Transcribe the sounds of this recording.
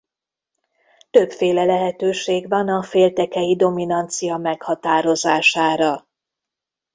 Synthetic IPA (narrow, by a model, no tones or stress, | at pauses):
t̪øpfeːlɛlɛɦɛt̪øːʃeːɡʋɒnɒfeːlt̪ɛkɛjid̪o̞minɒnt̪sijɒmɛkhɒt̪aːɾo̞zaːʃaːɾɒ